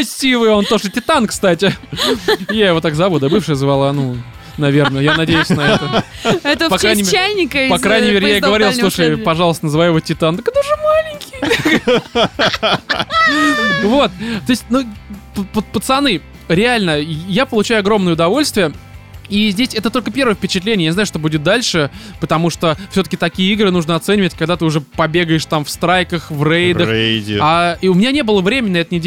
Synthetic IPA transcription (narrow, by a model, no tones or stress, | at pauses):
sʲivɨjo̞nt̪o̞ʐɨtʲɪt̪ankst̪atʲɪ | jajɪvo̞t̪akzɐvud̪abɨfʂɨjəzvalˠɐnu | nɐvʲe̞rnəjanɐdʲejʉsʲnɐɛt̪əɛt̪əpɐkajnʲɪmælʲnʲɪkəpɐkɾajnʲɪmʲeɾʲɪjaɪɡəvɐɾʲilˠsˠuʂɨjpɐʐɑlˠəst̪ənzɨvajʊɪvotʲɪt̪ant̪əkt̪əʐɨmalʲɪŋʲkʲɪ | vot̪̚t̪o̞ɪsʲt̚ʲnupəpət̪pət̪sɐnɨ | ɾʲɪalʲnəjapəlˠʊt͡ɕæjʊɐɡɾo̞mnəjəʊd̪ɐvo̞lʲst̪vʲɪjəizʲdʲesʲɛt̪ət̪o̞lʲkəpʲe̞rɾvəjəfʲpʲɪt͡ɕɪt̪lʲenʲɪjanznaʊʂt̪o̞budʲɪt̪̚d̪alʲʂɨpət̪ɐmuʂt̪ofsʲot̪əkʲɪt̪ɐkʲijəiɡɾɨnuʐnəɐt̪sɛnʲɪvətʲkɐɡd̪at̪ɨʊʐɛpɐbʲe̞ɡəjɪʂt̪amfst̪ɾajkəxvrejd̪əaʊmʲɪnʲanʲe̞bɨlˠəvɾʲemʲɪnʲnɐɛt̪ənʲɪdʲ